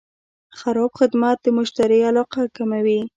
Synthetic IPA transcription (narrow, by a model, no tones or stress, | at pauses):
xaɾɑbxɪd̪mat̪̚d̪əmʊʃt̪aɾialɑqakamawi